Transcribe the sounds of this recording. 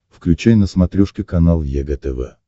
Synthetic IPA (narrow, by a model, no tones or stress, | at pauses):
fklʲʉt͡ɕajnəsmɐt̪ɾʲuʂkʲɪkɐnalˠjɛɡət̪ɛvɛ̰